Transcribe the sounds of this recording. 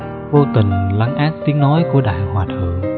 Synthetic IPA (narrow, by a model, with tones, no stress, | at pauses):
vo˧t̪ï˨˩ŋ̟la˨˦ŋʔaː˦˥k̚t̪i˨˦əŋnɔ˨˦jku˧˩əɗa̰ː˧˨jhwaː˨˩t̪ʰɨ̰˧˩˨əŋ